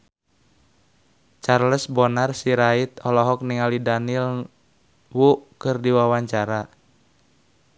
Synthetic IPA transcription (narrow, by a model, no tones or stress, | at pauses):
t͡ʃarləsbɔnarsiɾait̪̚ɔlɔɦɔk̚niŋalidanil | wuʔkɨrdiwawaɲt͡ʃaɾa